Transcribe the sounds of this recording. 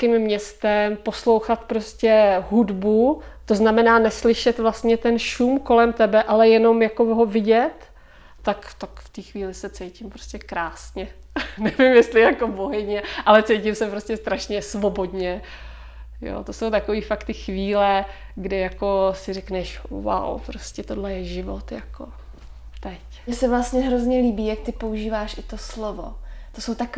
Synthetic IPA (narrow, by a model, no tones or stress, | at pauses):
kɪmːɲɛst̪ɛmpo̞slo̞wxat̪pɾo̞scɛɦudbu | t̪oznamɛnaːnɛslɪʃɛt̪vlast̪ɲɛt̪ɛnʃumko̞lɛmt̪ɛbɛʔalɛjɛno̞mjakoɦo̞vɪɟɛt̪ː | akt̪akft̪iːxviːlɪsɛt͡sɛjcɪmpɾoscʲɛkɾaːsɲɛ | nɛvɪmjɛst̪lɪjakoboɦɛɲɛʔalɛt͡sɛjcɪmsɛpɾoscʲɛst̪ɾaʃɲɛsvo̞bo̞dɲɛ | jo̰ːt̪oso̞wt̪akoviːfakt̪ɪxviːlɛ | ɡdɪjako̞sɪrɛknɛʃwa̰wpɾoscɛt̪odlɛjɛʒɪvo̰t̪jako̰ | t̪ɛc | mɲɛsɛvlast̪ɲɛɦɾozɲɛliːbiːjak̚t̪ɪpo̞uʒiːvaːʃʔɪt̪o̞slovo̰t̪osowt̪ak